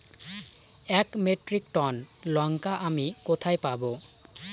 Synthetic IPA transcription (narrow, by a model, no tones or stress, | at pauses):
ɛkmeʈɾikʈɔnlɔŋkaʔamikot̪ʰajpabo